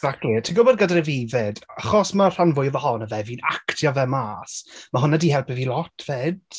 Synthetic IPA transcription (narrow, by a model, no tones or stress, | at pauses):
ɛɡz̥ak̚tʰlitʰiɡʊbɔdɡədaɾəvivɛdaχɔsmar̥anvʊjvəhɔnəvɛviːnaktʰjɔvɛmaːsmaɦʊnadihɛlˠpɛvilˠɔtʰv̥eːd̥